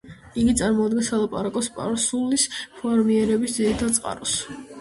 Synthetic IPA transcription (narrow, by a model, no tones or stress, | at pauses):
iɡit̪sʼaɾmɔud̪̚ɡɛnsalˠapʼaɾakʼɔspʼaɾsulispʰɔɾmiɛɾɛbisd̪ziɾit̪ʰad̪̚sʼqʼa̰ɾɔs